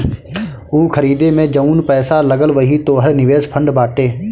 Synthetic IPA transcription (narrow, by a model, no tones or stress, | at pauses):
uːkʰəɾiːd̪eːmẽːd͡ʒəuːnpɛːsaːləɡəlʋəɦiːt̪oːɦəɾnɪʋeːspʰə̃ɳɖbaːʈeː